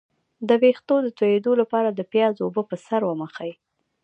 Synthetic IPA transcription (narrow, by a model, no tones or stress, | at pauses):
d̪əwext̪od̪ət̪ojed̪olapɑɾad̪əpjɑzobəpəsaɾwəməxaj